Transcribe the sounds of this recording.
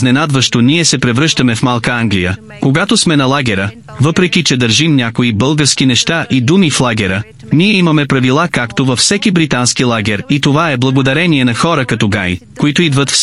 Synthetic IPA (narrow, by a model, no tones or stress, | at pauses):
nɛnad̪vəʃt̪oniɛsɛpɾɛvɾɤʃt̪əmɛfmalˠkəaŋɡlijə̰ | koɡat̪osmɛnɐlˠaɡʲɛɾə | vɤpɾɛkʲit͡ʃɛd̪əɾʒimnʲakoibɤlˠɡəɾsk̟inɛʃt̪aʔid̪umiflˠaɡʲɛɾə | niɛimɐmɛpɾɐvilˠakakt̪ovɐfsɛkibɾit̪anskilˠaɡʲɛɾit̪ovaɛblˠɐɡod̪ɐɾɛniɛnɐxɔɾəkɐt̪ɔɡaj | koit̪ʊid̪vət̪f